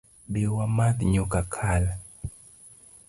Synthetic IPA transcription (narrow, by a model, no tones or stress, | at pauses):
bewamad̪ɲokakʰala